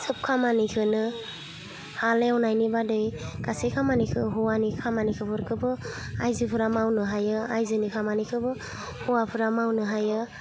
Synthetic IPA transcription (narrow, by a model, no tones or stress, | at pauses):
sɯp̚kʰamanikʰɯnɯ | haleɔnajnibadɯjɡ̥asekʰamanikʰɯɦɔwanikʰamanikʰɯbɯɾkʰɯbɯajzɯpʰɯɾamawnɯɦajɯajzɯnikʰamanikʰɯbɯ | huwapʰɯɾamawnɯɦajɯ